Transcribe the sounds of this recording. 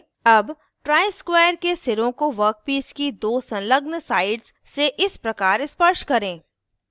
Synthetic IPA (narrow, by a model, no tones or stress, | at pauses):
ɐb | ʈɾaːɪskwaːjəɾkesɪɾõkoʋəɾk̚piːskid̪oːsɐ̃nləɡnsaːɪɖzseʔɪspɾɐkaːɾɪspəʃʈkɐɾẽː